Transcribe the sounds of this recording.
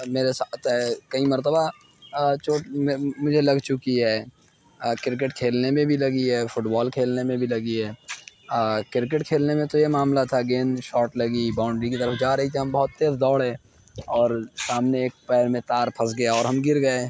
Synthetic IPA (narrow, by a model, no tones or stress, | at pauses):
meːɾesat̪ɛkɐimɐɾt̪əba | t͡ʃoːʈmmʊd͡ʒʱelɐɡt͡ʃʊkiɦɛː | kɪɾk̬əʈkʰeːlnemẽbʱilɐɡiɦɛːfʊʈbɔːlkʰeːlnemẽbʱilɐɡiɦɛː | kɪɾk̬ɪʈkʰeːlnemẽt̪ojemaːmlat̪ʰaɡeːnʃɔːʈlɐɡibaːʊ̃ɳɖɾikit̪əɾəfd͡ʒaːɾɐɦit̪ʰiɦɐmbɔɦʊt̪ːeːzd̪ɔːɽɦɛ̃ː | ɔːɾsaːmneeːk̚pɛːɾmẽt̪aːɾpʰɐsɡɐjaɔːɾɦɐmɡɪɾɡɐeː